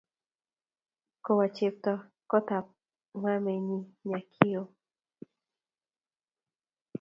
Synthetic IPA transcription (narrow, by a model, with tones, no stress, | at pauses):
ko˨wa˨t͡ʃe˨p̚t̪ɔ˨ | kɔ˦t̪a˨p̚ | ma˦me˨ɲi˦ɲa˨kʰi˦o˨